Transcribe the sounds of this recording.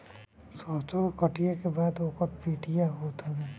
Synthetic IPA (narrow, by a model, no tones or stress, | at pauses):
sɔ̃ːt͡ʃõkkəʈijakebaːd̪oːkɔɾpiːʈijaɦot̪abɛ